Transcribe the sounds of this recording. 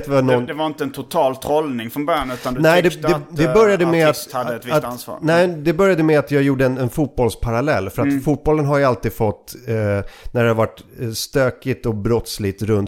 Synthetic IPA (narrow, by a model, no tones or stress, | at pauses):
t̪vanɔnd̪ɛvaɾɪnt̪əɛnt̪ʰʊt̪ʰɑːlt̪ʰɾɔlnɪŋfɾɔnbœɾjanʉ̟t̪and̪nɛɪd̪ɛɛd̪ɛbœɾjad̪əmɛat̪had̪ːəɛt̪vɪsnsvɑ̰ːɾnɛɪd̪ɛbœɾjad̪əmɛat̪jɑːɡjuːɖəɛnɛnfuːt̪̚bɔlspʰaɾalɛlːfœɾat̪fuːt̪̚bɔlːənɦaɾjalt̪iːd̪fɔt̪ː | næɖɛhavaʈːst̪øːkɪt̪ɔbɾɔt̪slɪt̪ɾɵnt̪